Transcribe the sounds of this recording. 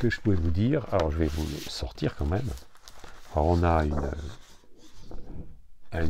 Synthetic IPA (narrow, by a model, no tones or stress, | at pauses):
kəʒəpuɛvud̪iːʁa̰lɔʁʒəvɛvusɔʁt̪iʁkɑ̃mɛm | aɔʁɔ̃naynø̰ | ɛ̃